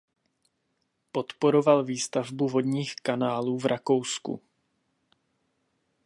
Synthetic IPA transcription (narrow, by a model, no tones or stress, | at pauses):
po̞t̪poɾovalviːst̪avbuvo̞d̪ɲiːxkanaːluːvɾʔako̞wskṵ